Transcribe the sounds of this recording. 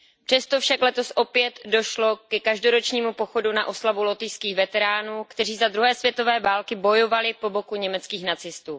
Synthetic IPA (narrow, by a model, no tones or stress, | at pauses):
pr̝̥ɛst̪ofʃaklɛt̪o̞sʔo̞pjɛt̪do̞ʃlo̞kɛkaʒdo̞ɾo̞t͡ʃɲiːmupo̞xo̞duna̰ʔo̞slavulo̞t̪ɪjskiːxvɛt̪ɛɾaːnuːkt̪ɛriːzad̪ɾuɦɛːsvjɛt̪o̞vɛːvaːlkɪbo̞jo̞valɪpo̞bo̞kuɲɛmɛt͡skiːxnat͡sɪst̪uː